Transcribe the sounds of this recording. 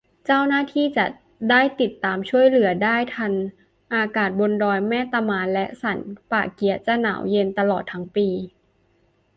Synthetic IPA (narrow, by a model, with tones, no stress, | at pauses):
t͡ɕaː˥˩wnaː˥˩t̪ʰiː˥˩t͡ɕa˨˩ | daː˥˩jt̪i˨˩t̪ːaː˨˧mt͡ɕʰu˥˩əjlɯ˩˦ɐdaː˥˩jt̪ʰa˧n | ʔaː˧kaː˨˩t̪̚bo˧ndɔː˧jmɛː˥˩˨t̪a˧maː˧nlɛ˦˥ʔsa˩˦npaː˨˩ki˨˩˦ɐt͡ɕa˧˩na̰ː˩˦wje˧nt̪a˧lɔː˨˩t̪ʰːa˦˥ŋpiː˧